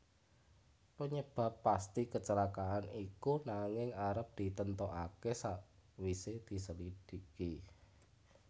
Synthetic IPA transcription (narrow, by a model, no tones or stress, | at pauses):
pəɲəb̥ä̤pːast̪ikət͡ʃəlakaʔanikunaŋɪŋaɾəp̚d̪̥i̤t̪ənt̪oʔakesaʔwised̪̥i̤səlid̥i̤ki